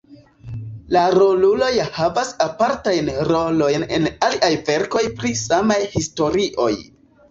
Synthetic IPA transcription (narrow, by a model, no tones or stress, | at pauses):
laɾo̞lulo̞jhavasapaɾtajnɾo̞lo̞jne̞̰naliʔajve̞ɾko̞jpɾisamajhisto̞ɾiʔo̞̰j